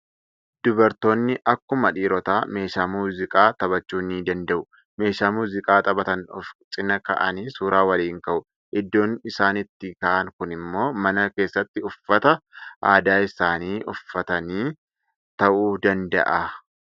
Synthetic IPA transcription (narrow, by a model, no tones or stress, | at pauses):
d̪̥ʊbɐɾt̪o̞ːnːɪʔɐkːʊmɐᶑiːɾɔt̪aːme̞ːʃaːmuːzɪkʼaːt̪ʼɐβɐt͡ʃːuːniːd̪ɐnd̪ɐʔʊ | me̞ːʃaːmuːzɪkʼaːt̪ʼɐbɐt̪ɐnɔft͡ʃʼɪnɐkɐ̰ʔɐniːsuːɾaːwɐliːŋkɐʔʊ | ʔɪd̪ːo̞ːnɪsaːnɪt̪ːɪkɐʔɐŋkʊnɪmːo̞ːmɐnɐke̞ːsːɐt̪ːɪʊfːɐt̪ɐʔaːd̪aːɪsaːniːʔʊfːɐt̪ɐniː | t̪ɐʔuːd̪ɐnd̪ɐ̰ʔɐ